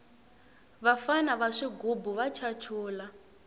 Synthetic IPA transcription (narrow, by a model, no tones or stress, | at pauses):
βafanaβaʂiɡubuβat͡ʃʰat͡ʃʰuːla